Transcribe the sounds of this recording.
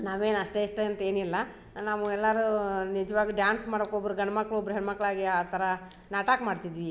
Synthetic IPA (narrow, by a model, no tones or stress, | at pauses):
naːʋe̞ːnɐʂʈeiʂʈɐɐnt̪ɐe̞ːnilːɐ | naːʋuɛlːɐɾunid͡ʒɐʋaːɡiɖjaːnsmaːɽokobɐɾuɡɐɳɐmɐkːɐɭobɾuɦɛɳmɐkːɐɭaːɡiaːt̪ʰɐɾɐ | naːʈaːkmaːɖt̪id̪ʋi